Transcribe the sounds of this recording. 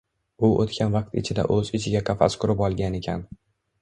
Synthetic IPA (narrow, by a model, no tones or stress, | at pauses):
ʊʔot̪kʲʰanvɑq̚t̪ɪ̰t͡ʃʰɪd̪a̰ʔɵzɪt͡ʃʰɪɡʲaqʰɑfa̰skʰʊɾɪpɒlˠɡʲane̞kʲʰa̰n